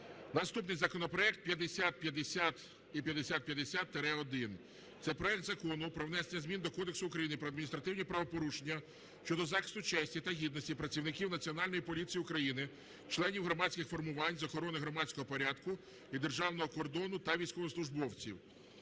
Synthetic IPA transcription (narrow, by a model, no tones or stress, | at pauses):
nɐst̪upnɪjzɐkɔnɔpɾɔɛkt̪̚pjɐd̪esʲat̪̚pʲjɐd̪esʲat̪ | ipʲjɐd̪esʲat̪̚pʲjɐd̪esʲat̪ːeɾɛɔd̪ɪn | t̪sɛpɾɔɛk̚t̪zɐkɔnʊpɾɔwn̪ɛsenʲːɐzʲmʲind̪ɔkɔd̪eksʊʊkɾɐjinɪpɾɔɐd̪minʲist̪ɾɐt̪ɪwnʲipɾɐʋɔpɔɾuʃenʲːɐ | ʃt͡ʃɔd̪ɔzɑxɪst̪ʊt͡ʃɛsʲtʲit̪ɐɦʲid̪nɔsʲtʲipɾɐt͡sʲiwnɪkʲiwnɐt͡sʲiɔnɑlʲnɔjipɔlʲit͡sʲijiʊkɾɐjinɪ | t͡ʃlˠɛnʲiwɦɾɔmɑsʲkʲɪxfɔrmʊʋɑnʲzɐxɔɾɔnɪɦɾɔmɑt͡sʲkɔɦɔpɔɾʲad̪kʊ | id̪erʒɑwn̪ɔɦɔkɔrd̪ɔnʊt̪ɐʋʲijsʲkɔʋɔslˠʊʒbɔwt͡sʲḭw